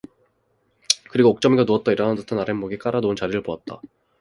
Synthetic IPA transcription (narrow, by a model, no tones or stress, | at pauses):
kɯɾiɡook̚t͡ɕ͈ʌmiɡanuʌt̚t͈ʌiɾʌnantɯtʰɯnaɾemoɡik͈aɾanoɯnt͡ɕaɾiɾɯɭpoat̚t͈a̰